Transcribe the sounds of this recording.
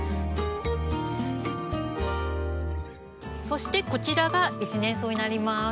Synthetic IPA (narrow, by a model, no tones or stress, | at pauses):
so̞ɕi̥t̪e̞ko̞t͡ɕiɾaɡait͡ɕinẽ̞ɰ̃so̞ːɲ̟inaɾʲima